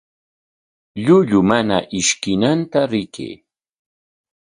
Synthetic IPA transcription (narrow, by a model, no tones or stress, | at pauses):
ʎʊʎʊmana̰ʔɪʃkɪnant̪aɾɪkḛː